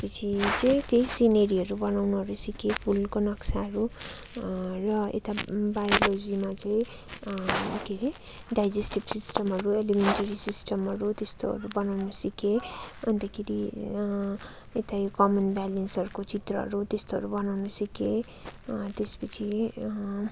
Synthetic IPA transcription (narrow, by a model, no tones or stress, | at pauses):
pʌt͡sʰit͡sʌĩt̪jʌj̃sineɾiʌɾubʌnawnuɦʌɾusikʰepʰulkonʌksaɦʌɾu | rʌḛt̪abajolod͡zimat͡sʌĩ | akʰeɾi | ɖajd͡zesʈipsisʈʌmɦʌɾuelimenʈʌɾisisʈʰʌmɦʌɾut̪est̪oʌ̰ɾubʌnawnusikeʌ̰nt̪akʰiɾi | et̪ajokʌmʌnbalensʌɾukot͡sit̪rʌɦʌ̰ɾut̪est̪oʌ̰ɾubʌnawnusike | t̪espʌt͡sʰi